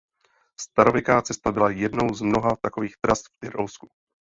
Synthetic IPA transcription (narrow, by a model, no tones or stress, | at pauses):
st̪aɾo̞vɛkaːt͡sɛst̪abɪlajɛdno̞wzmno̞ɦat̪ako̞viːxt̪ɾast̪ft̪ɪɾowsku̥